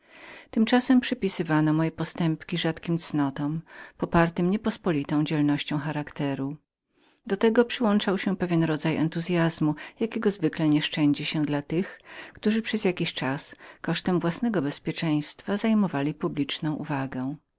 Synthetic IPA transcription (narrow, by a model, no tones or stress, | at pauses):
t̪ɘmt͡ʂasɛmpʂɛpʲisɘvanɔmɔjɛpɔst̪ɛmpkʲiʐat̪kʲimt̪snɔt̪ɔmpɔpaɾt̪ɘmɲɛpɔspɔlʲit̪ɔ̃w̃d͡ʑɛlnɔɕt͡ɕɔ̃w̃xaɾakt̪ɛɾu | d̪ɔt̪ɛɡɔpʂɘwɔnt͡ʂawɕɛpɛvʲjɛnɾɔd̪zajɛ̰nt̪uzʲjazmujakʲɛɡɔzvɘklɛɲɛʂt͡ʂɛɲd͡ʑiɕɛd̪lat̪ɘxkt̪uʐɘpʂɛzjakʲiɕt͡ʂaskɔʂt̪ɛmvwasnɛɡɔbɛspʲjɛt͡ʂɛ̃j̃st̪fazajmɔvalʲipublʲit͡ʂnɔ̃w̃ʔṵvaɡɛw̃